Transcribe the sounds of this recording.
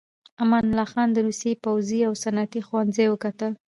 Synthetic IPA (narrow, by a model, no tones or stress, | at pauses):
amanlɑxɑnd̪əɾusjepawziawsanat̪ixwanzajwəkat̪əl